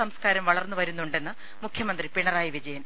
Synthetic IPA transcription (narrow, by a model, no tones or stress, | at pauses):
ɐmskaːɾɐmʋɐɭɐrnːuʋɐɾunːuɳɖe̞nːɨ | mukʰjɐmɐnd̪ripiɳɐraːjiʋid͡ʑɐjɐn